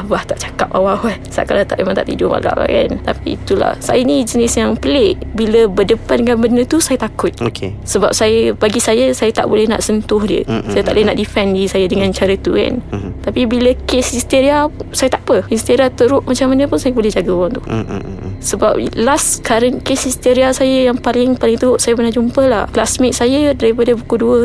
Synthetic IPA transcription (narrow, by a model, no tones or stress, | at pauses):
baht̪aʔt͡ʃḁkap̚awawasa̰ʔkalat̪aʔemaŋt̪a̰ʔt̪ḭdʊpa̰ɡa̰ʔwa̰ka̰nt̪apḭːt̪ula̰hsa̰jəinid͡ʒənɪsjaŋpəleʔbiləbərdəpandəkanbənət̪usajət̪akʊt̪̚okesəba̰p̚sajəbaɡisajasajət̪a̰ʔbolɛhɦna̰ʔsənt̪ʊhdiə̰sajət̪aʔlnaʔdifɛndisajadəŋãnt͡ʃaɾət̪uka̰nt̪apibiləkesist̪eɾiasajət̪aʔpəist̪eɾiat̪əɾʊʔmat͡ʃamanəpʊnsajəbolɛhd͡ʒaɡauɾaŋt̪u | səba̰p̚laskaɾaŋkesist̪eɾiasajəjaŋpalɪŋpalɪŋt̪əɾʊʔsajəpənahd͡ʒumpəla̰hklasmɪk̚sajədaɾipadəbukuduə